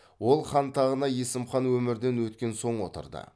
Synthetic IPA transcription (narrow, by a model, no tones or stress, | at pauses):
wo̞lˠχɑnt̪ʰɑʁənɑje̞sɪmχɑnwɵmɪɾd̪e̞nwɵt̪̚kʲe̞nso̞ɴwo̰t̪ə̰ɾd̪ə̰